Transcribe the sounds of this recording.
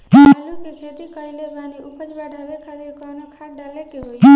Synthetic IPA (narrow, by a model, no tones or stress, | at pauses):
lukekʰet̪ikəileʋaniupəd͡ʒbaɖʱalekʰad̪ikanokʰaɖalekeɦoj